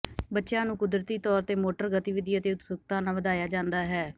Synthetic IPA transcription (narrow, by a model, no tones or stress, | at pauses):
bətːʃjãːnũːkʊd̪ɾət̪iːt̪ɔːɾt̪eːmoːʈəɾɡət̪iʋɪd̪jat̪eːʊt̪sʊk̚t̪ãːnãːʋəd̪aːjaːd͡ʒãːnd̪aːɦɛː